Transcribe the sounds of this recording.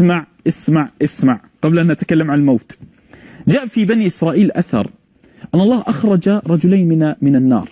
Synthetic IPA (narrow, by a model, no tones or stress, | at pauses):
maʕʔɪsmaʕʔɪsmaʕ | qɑblʔanːʔat̪ḁkalːamʕanalmoːt̪ | d͡ʒaːʔfibaniʔɪsɾˤɑːʔiːlʔaθɑ̰ɾˤ | ʔanːɑlˤːɑːʔaxɾˤɑd͡ʒaɾˤɑd͡ʒʊlaːnmɪmɪnanːɑ̰ːɾˤ